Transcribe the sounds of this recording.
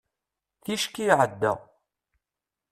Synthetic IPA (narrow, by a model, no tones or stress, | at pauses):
θiʃkiʕəd̪ːæ̰